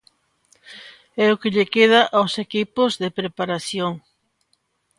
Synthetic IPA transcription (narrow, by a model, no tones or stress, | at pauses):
ɛʊkɪʎekeð̞aʔawsekipʊzðepɾepaɾaθjoŋ